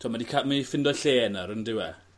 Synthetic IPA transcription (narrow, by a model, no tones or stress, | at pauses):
tʰuːmadikʰamifɪndɔɬeːnaɾəndɪwɛ